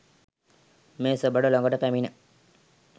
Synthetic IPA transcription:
meːsəbəɖəloŋɡəʈəpæminə

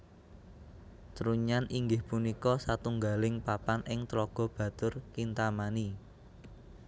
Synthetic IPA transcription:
t̪ɾuɲanʔiŋɡɪhpunikɔsat̪uŋɡalɪŋpapanʔɪŋt̪lɔɡ̥ɔ̤b̥ä̤t̪ʊrkint̪amani

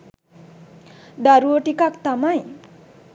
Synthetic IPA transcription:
d̪aɾuoʈikakt̪amaj̃

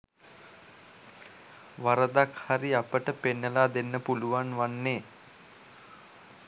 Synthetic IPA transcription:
ʋaɾəd̪akhaɾiapəʈəpenːəlaːd̪enːəpuluʋanʋanːeː

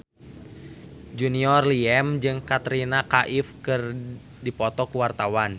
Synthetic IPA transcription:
d͡ʒuniɔrliɛmd͡ʒɨŋkat̪ɾinakaʔifkɨr | dipɔt̪ɔkuwart̪awan

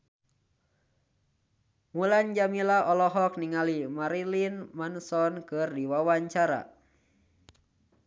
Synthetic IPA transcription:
muland͡ʒamilaʔɔlɔɦɔk̚niŋalimaɾilinmansɔnkɨrdiwawaɲt͡ʃaɾa̰

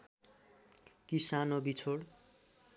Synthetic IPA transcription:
kisanobit͡sʰoɽ

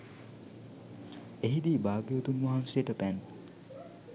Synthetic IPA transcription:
eɦid̪iːbaːɡjot̪unʋaɦansejəʈəpæn

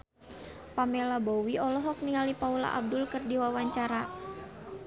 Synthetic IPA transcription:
pamɛlabowiɔlɔɦɔk̚niŋalipaula̰ʔa̰b̚dʊlkərdiwawaɲt͡ʃaɾa

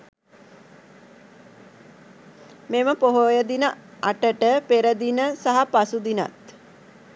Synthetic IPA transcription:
meməpoɦojəd̪inəaʈəʈəpeɾəd̪inəsaɦapasud̪ina̰t̪

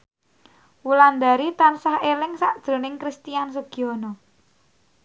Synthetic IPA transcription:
wuland̪aɾit̪ansahelɪŋsaʔd̥ʒ̥ɾo̤nɪŋkɾist̪ijans̬əɡ̥i̤ɔnɔ

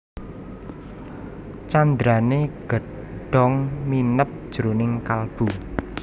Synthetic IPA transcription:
t͡ʃand̪ɾaneɡ̥ə̤ | ɖ̥ɔ̤ŋminəp̚d̥ʒ̥uɾunɪŋkalb̥u

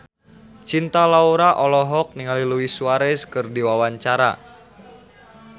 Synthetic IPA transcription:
t͡ʃint̪alauɾaʔɔlɔɦɔk̚niŋaliluwisuaɾɛskɨrdiwawaɲt͡ʃaɾa̰

